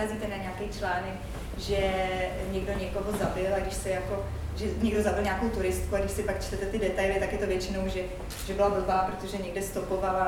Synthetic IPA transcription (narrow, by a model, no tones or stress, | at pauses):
ɛzit̪ɛnaɲakɛjt͡ʃlaːnɛk | ʒɛɲɛɡdo̞ɲɛko̞ɦo̞zabɪlaɡdɪʃsɛjako̞ | ʒɛɲɛɡdo̞zabɪlɲaːko̞wt̪uɾɪst̪kuaɡdɪʃsɪpakt͡ʃt̪ɛt̪ɛt̪ɪdɛt̪ajlɪt̪akjɛt̪ovjɛt͡ʃɪnowʒɛ | ʒ̥ɛbɪlabl̩baːpɾot̪o̞ʒɛɲɛɡdɛst̪o̞po̞vala